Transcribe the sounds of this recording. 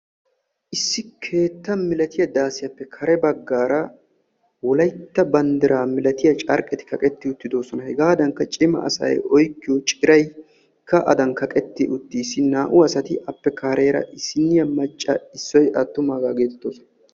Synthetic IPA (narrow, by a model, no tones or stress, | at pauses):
ʔɪsːɪkʰe̞ːt̪ːɐmɪlɐt̪ɪjɐd̪aːsɪjɐpːɛkʰɐɾɛbɐɡːaːɾɐ | wɔlɐjt̪ːɐbɐnd̪ɪɾaːmɪlɐt̪ɪjɐt͡ʃʼɐɾkʼɛt̪ɪ̥kʰɐkʼɛt̪ːɪʊt̪ːɪd̪oːsɔnɐhɛɡaːd̪ɐŋkːɐt͡ʃʼɪmɐ̰ɐ̰sɐ̰jɔjkːɪjɔt͡ʃʼɪɾɐj | kʰːɐʔɐ̰d̪ɐnkɐkʼɛt̪ːɪʔʊt̪ːiːsːɪnaːʔʊɐsɐt̪ɪʔɐpːɛkaːɾe̞ːɾɐ̰ʔɪsɪnɪjɐmɐt͡ʃʼːɐɪsːɔjʔɐt̪ːʊmaːɡaːɡe̞ːt̪ɛ̥t̪ːoːsɔnɐ